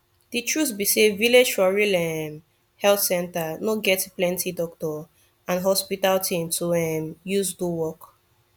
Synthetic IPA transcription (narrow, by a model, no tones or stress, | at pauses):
d̥itɹuθbiseviled͡ʒfɔɹilɛm | hɛlθsɛ̃ntanoɡɛtplɛ̃ntidɔk̚tɔ | ãnɦɔspitaltʰĩmtʰuɛmjuzduwɔk